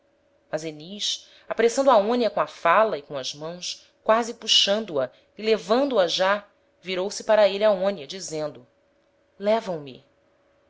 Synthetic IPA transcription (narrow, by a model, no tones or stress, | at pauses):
mɐzeniʃ | apaɾesɐ̃nd̪ʊaõniɐkõɐfalɐɪkõɐzmɐ̃w̃s | kwazipuʃɐ̃nd̪ʊɐ | ilevɐ̃nd̪ʊɐʒa | viɾowsɪpaɾɐeliaõniɐd͡ʒizẽnd̪ʊ | lɛvɐ̃w̃mḭ